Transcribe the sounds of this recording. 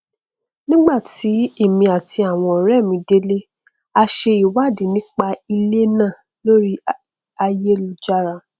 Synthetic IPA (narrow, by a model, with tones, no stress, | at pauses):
nĩ˦ɡ͡ba˦˨ti˨˦e˦˨mĩ˧a˨ti˧a˦˨w̃ɔ̃˧ɔ˨ɾɛ˦˨mĩ˧˦de˦le˦ | a˧ʃe˧i˨wa˦˨di˨˦nĩ˦k͡pa˧i˧le˦nãː˦˨ | lo˦ɾi˦ | a˧je˦lu˨˧d͡ʒa˦ɾa˧